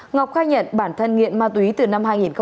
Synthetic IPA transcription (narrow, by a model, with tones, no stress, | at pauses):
ŋa˨˩wk͡p̚xaː˧jɲə̰˧˨nɓaː˧˩nt̪ʰə˧nŋḭ˧˨ənmaː˧˩t̪wi˨˦t̪ɨ˨˩na˧mhaː˧jŋi˨˩nxə˧